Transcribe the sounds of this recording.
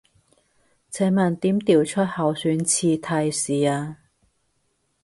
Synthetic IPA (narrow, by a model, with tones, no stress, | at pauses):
t͡sʰɛː˨˥mɐ˨˩nt̪iː˨˥mt̪iː˨wt͡ʃʰɵ˥t̚hɐ˨˧wsyː˨˥nt͡sʰiː˧t̪ʰɐ˧jsiː˨˩aː˧